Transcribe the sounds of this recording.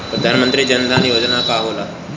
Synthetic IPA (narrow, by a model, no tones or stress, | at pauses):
pɾəd̪ʱanmənt̪ɾiːd͡ʑənd̪ʱanijod͡ʑnakaɦola